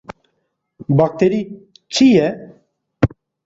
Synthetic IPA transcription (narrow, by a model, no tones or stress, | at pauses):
bak̚t̪ʰeɾi | t͡ʃʰijɛ